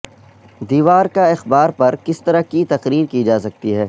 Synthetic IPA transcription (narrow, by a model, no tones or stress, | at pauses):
d̪iːʋaːɾkaɪxbaːɾpɐɾkɪst̪ɐɾakit̪ɐqɾiːɾkid͡ʒaːsɐk̚t̪iɦɛː